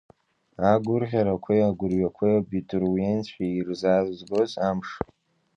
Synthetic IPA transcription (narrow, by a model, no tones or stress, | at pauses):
aɡʷʊrħʲaɾakʷʰejaɡʷʊrɥakʷʰejobitʼrwent͡sʰħiirzaːzzbozamʂ